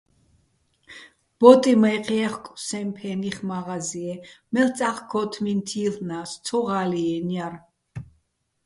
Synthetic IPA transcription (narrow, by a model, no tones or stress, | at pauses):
b̥ɔt̪ʼimajqʰʼɛɛχkʼsɛmpʰɛniχmaʁaziɛmɛlt͡sʼaχkʰɔt̪ʰmint̪ʰiːlnast͡sʰɔʁaliɛnjaɾ